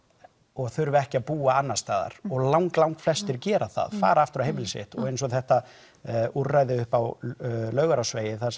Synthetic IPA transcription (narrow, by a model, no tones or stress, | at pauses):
ɔɣθʏɾvʏɛhcɪaðpuːaanːast̪aːða̰ɾ̥ɔɣlawŋklawŋkflɛst̪ɪɾcɛːɾaθa̰ðfa̰ːɾaaft̪ʏɾawhejmɪlsɪ̰ht̪ɔ̰ɣejnsɔθɛht̪a | urajðɪʏhpawlœːɥɣaɾasveːjɪθa